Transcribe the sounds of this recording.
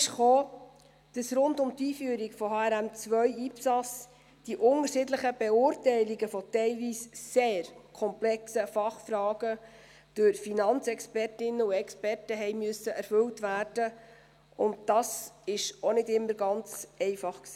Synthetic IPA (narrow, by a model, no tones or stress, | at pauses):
ʃχoː | d̥ɑsɾʊndʊmtiːfyəɾiɡfɔhɑːæɾæmt͡sʋœʏiːpsɑs | d̥iʔʊŋəɾʃɪːdləχəb̥ɛʊːɾtɛɪliɡəfɔtɛɪlʋiːsːeːɾkʰɔmplɛksəfɑχfrɑːɡə | d̥øɾfinɑnt͡sɛkspɛrtɪnːəuɛkspɛrtəɦɛɪmyəsəʔɛɾfɵltʋæːrd̥ə | ʊnt̚dɑsɪʃɔnɪdɪmːəɾɡɑnt͡sɛɪfɑχksiː